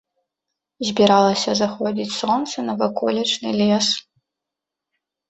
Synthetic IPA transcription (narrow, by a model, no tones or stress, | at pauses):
zʲbʲiɾalˠɐsʲɐzɐxod͡zʲit͡sʲsɔnt̪sɐnɐvɐkʰɔlʲiʈ͡ʂʰnɨlʲes